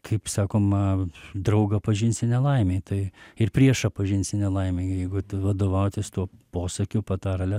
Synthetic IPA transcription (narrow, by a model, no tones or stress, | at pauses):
kʰɐɪpsɑːkoːmɐd̪ɾɐʊɡɐpɐʒʲɪnʲsʲɪnʲɛlˠɐɪmʲeːt̪ɐɪɪrpʲɾʲiɛʃɐpɐʒʲɪnʲsʲɪnʲɛlˠɐɪmʲeːjɛɪɡʊtʋɐd̪oːʋɐʊt̪ʲɪst̪uɔpoːsɐkʲʊpɐt̪ɐɾlʲɛ